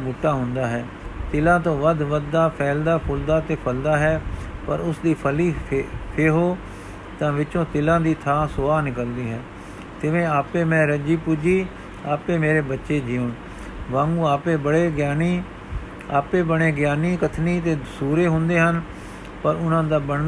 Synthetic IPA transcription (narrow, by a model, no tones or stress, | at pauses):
buʈːaːɦʊnd̪aːɦɛː | t̪ɪlãːt̪õːʋəd̪ʋəd̪ːaːpʰɛːld̪aːpʰʊld̪aːt̪eːpʰəld̪aːɦɛːpəɾʊsd̪iːpʰəliːpʰeːɦoː | t̪ãːʋɪt͡ʃõːt̪ɪlãːd̪iːt̪ʰãːsʊaːnɪkəld̪iːɦɛː | t̪ɪʋẽːaːpẽːmɛ̃ːɾəd͡ʒiːpuːd͡ʒiː | aːpẽːmeːɾeːbətːʃeːd͡ʒiːoːn | ʋãːŋɡũːaːpeːbəɽeːɡɪjaːniː | a̰ːpeːbəɽeːɡɪjaːniːkət̪ʰniːt̪eːsuːɾeːɦʊ̃nd̪eːɦən | pəɾʊnãːd̪aːbəɳ